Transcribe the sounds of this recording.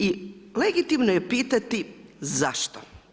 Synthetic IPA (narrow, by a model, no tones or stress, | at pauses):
ileɡit̪imnojepiːt̪at̪izaʃt̪o